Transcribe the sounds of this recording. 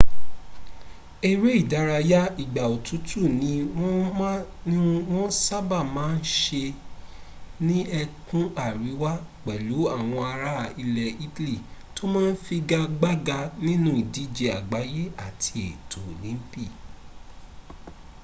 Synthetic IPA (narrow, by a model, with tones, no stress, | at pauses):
e˨ɾe˦i˦˨da˧ɾa˧ja˦i˨ɡ͡ba˨o˨tu˨˦tʰu˦˨nĩ˨˦w̃ɔ̃˦mã˦nĩ˦ũ˦w̃ɔ̃˦sa˦ba˦˨mãː˨˦n̩˦ʃe˧ | nĩ˦ɛ˧kũ˦a˦˨ɾi˨˦wa˦k͡pɛ˨lu˨˦a˦˨w̃ɔ̃˧a˧ɾa˦˨i˧lɛ˨i˦ti˦li˦˨to˦mãː˦n̩˦fi˧ɡa˧ɡ͡ba˦ɡa˧nĩ˦nũ˦i˨di˨˦d͡ʒe˧a˨ɡ͡ba˨˦je˦a˦˨tʰi˧e˨tʰo˨lĩ˨˦pi˦˨